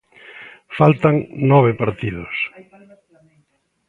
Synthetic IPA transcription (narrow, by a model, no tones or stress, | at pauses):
falt̪aŋnɔβ̞epaɾt̪ið̞ʊs